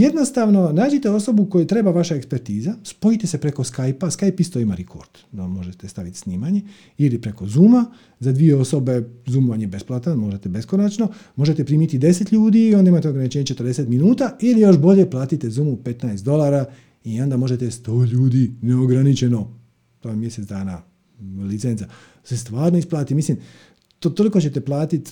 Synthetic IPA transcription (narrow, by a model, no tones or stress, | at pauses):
je̞d̪nost̪aʋno̞naːd͡ʒet̪e̞o̞so̞buko̞jut̪ɾe̞ːbaʋaʃaekspe̞ɾt̪iːzaspo̞it̪e̞se̞pɾe̞ko̞skajpaskajpist̪oimaɾekʰo̰ɾd̪̥nomo̞ʒet̪est̪aʋit̪i̥sniːmaɲe̞ | ilipɾe̞kozuːma | zad̪ʋijeo̞so̞be̞zuːmʋanjebe̞splˠat̪anmo̞ʒe̞t̪e̞be̞skonat͡ʃno̞mo̞ʒe̞t̪e̞pɾiːmit̪id̪e̞se̞t̪ʎuːd̪iːond̪aimaːt̪e̞oɡɾanit͡ʃeːɲe̞t͡ʃet̪ɾd̪e̞set̪minuːt̪ailijo̞ʃbo̞ʎe̞plaːt̪it̪ezuːmupe̞t̪naest̪d̪o̞lˠaːɾa | io̞nd̪amo̞ʒe̞t̪est̪o̞ːʎuːd̪ineoɡɾanit͡ʃe̞no̞ | t̪amje̞set̪d̪aːna | lit̪sensa | se̞st̪ʋaːɾno̞isplˠaːt̪imislim | t̪ot̪o̞liko̞t͡ɕe̞t̪e̞plˠaːt̪it̪